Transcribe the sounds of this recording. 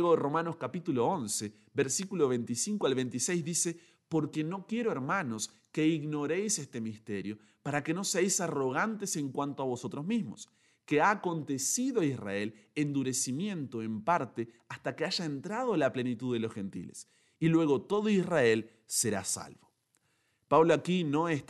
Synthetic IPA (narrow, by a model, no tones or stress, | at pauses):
eɣoero̞mãno̞skapit̪uloonse | βeɾsikuloβ̞e̞nt̪isiŋkoalβent̪isejzðise̞ | poɾke̞no̞kje̞ɾoeɾmano̞s | keiɣno̞ɾejsest̪e̞mist̪eɾjo | paɾake̞no̞seajsaro̞ɣ̞ant̪ese̞ŋkwant̪oaβo̞so̞t̪ɾozmizmo̰s | keaːko̞nt̪esiðoaisra̰e̞lend̪uɾe̞simjẽ̞nt̪oempaɾt̪e | ast̪akeaʒaent̪ɾað̞oelaple̞nit̪uððelosxe̞nt̪ḭlḛs | ilwe̞ɣo̞t̪o̞ðoisrae̞l | seɾa̰sa̰lβo̥ | paβloakino̞es